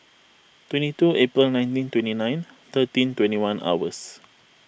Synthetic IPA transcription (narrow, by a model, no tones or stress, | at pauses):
t̪wɛ̃ntituʔepɾilnãjntĩntwɛ̃ntinãj̃nt̪ətĩntwɛ̃ntiwãna̰wəs